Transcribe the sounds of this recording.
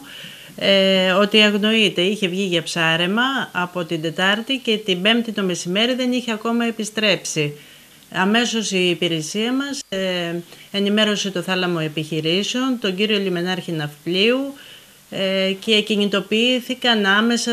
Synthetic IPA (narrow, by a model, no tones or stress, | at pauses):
eo̞t̪iɐɣno̞it̪e̞içe̞vʝiʝɐpsɐɾe̞mɐːpo̞t̪ind̪e̞t̪ɐɾt̪ice̞t̪ibe̞mt̪it̪o̞mesime̞ɾiðe̞niçeɐko̞mɐe̞pist̪ɾe̞psi | ɐme̞so̞siːpiɾesiɐmɐs | e̞nime̞ɾo̞se̞t̪o̞θɐlɐmo̞e̞piçiɾiseo̞nt̪o̞ɲɟiɾio̞lime̞nɐɾçinɐfpliu | ce̞cinit̪o̞piiθikɐnɐme̞sɐ